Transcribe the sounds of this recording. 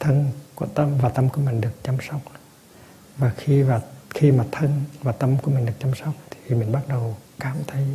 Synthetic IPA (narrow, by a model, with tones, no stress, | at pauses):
t̪ʰə˧nku˧˩ət̪ə˧mvaː˨˩t̪ə˧mku˧˩əmï˨˩ŋ̟ɗɨ˨˩ək̚t͡ɕa˧msɔ˦˥wk͡p̚ | vaː˨˩xi˧vaː˨˩xi˧maː˨˩t̪ʰə˧nvaː˨˩t̪ə˧mku˧˩əmi̟˨˩ɗɨ˨˩ək̚t͡ɕa˧msɔ˦˥wk͡p̚t̪ʰi̥˨˩mï˨˩ŋ̟ɓa˦˥t̚ɗə˨˩wkaː˨˦mt̪ʰə˧˦j